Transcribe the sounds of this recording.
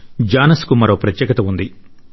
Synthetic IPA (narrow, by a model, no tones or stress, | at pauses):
d͡ʒaːnɐskumɐɾo̞ːpɾɐt̪jɛːkɐt̪ɐund̪i